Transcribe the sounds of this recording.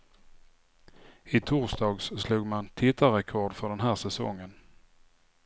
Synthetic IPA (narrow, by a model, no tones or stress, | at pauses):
ɪt̪ʰuːsd̪ɑːɡssluːɡmant̪ʰɪt̪ːaɾɛkʰɔɖfœɖɛnɦæːsɛsɔ̰ŋːən